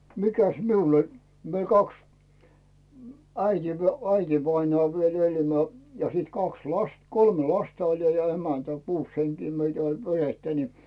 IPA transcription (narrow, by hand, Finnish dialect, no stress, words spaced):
mikæs miul olʲ mie kɑks æiti æitʲiʋɑinŏɑˑ ʋiel eli my̆ø jɑ siːt kɑks lɑst kolme lɑstɑ olʲ jɑ emæntæ kuːs heŋkiː meitæ olʲ peretːæ ni